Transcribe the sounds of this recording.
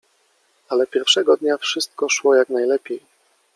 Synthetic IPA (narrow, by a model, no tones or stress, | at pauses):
alɛpʲjɛɾfʂɛɡɔd̪ɲafʂɘst̪̚kɔʂwɔjaknajlɛpʲjej